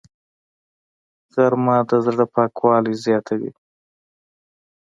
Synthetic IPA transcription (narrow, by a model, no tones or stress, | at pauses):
ɣaɾmɑd̪azɽapɑːkwɑlizjɑt̪ʰawḭ